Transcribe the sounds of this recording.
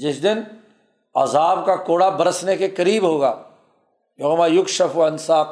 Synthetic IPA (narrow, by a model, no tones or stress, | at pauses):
d͡ʒɪsd̪ɪn | ɐ̰zaːb̚kakoːɽabɐɾəsnekekɐɾiːbɦoːɡaː | joːmaːjʊkʃɐfɐnsaːq